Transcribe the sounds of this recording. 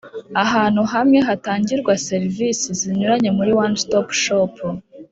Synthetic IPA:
aɦaːn̥huɦamŋe̞ɦataːɲɟiɾɡwase̞ɾvisiziɲuɾaɲe̞muɾiwanstopʃop

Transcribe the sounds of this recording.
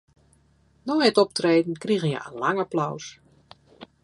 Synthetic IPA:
nɔətɔp̚treːdn̩kriɣənjɛ̰ə̰nlaŋaplɔws

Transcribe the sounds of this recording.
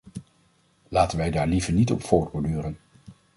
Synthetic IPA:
laːtənʋɛjdaːɹlivəɹnitɔ̰pfoːɹtbɔɹdyːɾən

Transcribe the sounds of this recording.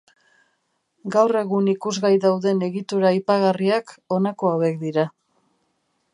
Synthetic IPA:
ɡawre̞ɣunikuzɣajðawðe̞ne̞ɣit̪uɾaipaɣariako̞nakoawe̞k̚d̪iɾa

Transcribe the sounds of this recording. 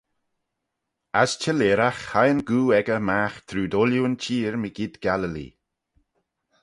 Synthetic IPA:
ast͡ʃʰəleːɾaxhajənɡuːɛɡəmaxt̪ʰɾuːdoljuənt͡ʃʰiːɹmiɡid̪ɡ̥aləlḭ

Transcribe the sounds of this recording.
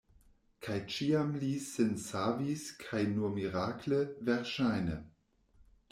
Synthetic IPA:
kʰajt͡ʃiːamlisɪnsaːviskʰajnuɐmiʁaːkʰləvɛʁʃaɪnə̰

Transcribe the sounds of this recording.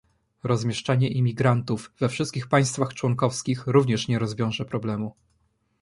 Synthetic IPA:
ɾɔzmʲjɛʂt͡ʂaɲɛʔimʲiɡɾant̪uvːɛfʂɘst̪kʲixpaj̃st̪faxt͡ʂwɔŋkɔfskʲixɾuvɲɛʂɲɛɾɔzvʲjɔ̃w̃ʐɛpɾɔblɛmu

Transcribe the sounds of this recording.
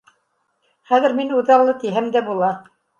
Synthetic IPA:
χæðɘ̆ɾminuðɑɾlˠɤt̪iɦæmd̪æbulˠɑ

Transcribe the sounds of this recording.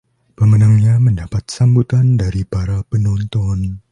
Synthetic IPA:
pəmənaŋɲaməndapat̪̚sambut̪andaɾipaɾapənɔnt̪ɔn

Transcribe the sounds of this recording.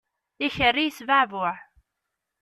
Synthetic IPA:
içərːijsvaʕvʊʕ

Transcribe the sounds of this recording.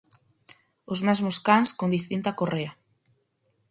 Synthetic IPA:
ozmɛzmoskanskond̪ist̪int̪akorea

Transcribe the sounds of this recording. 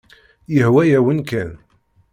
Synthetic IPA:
jəhwæjæwənkæn

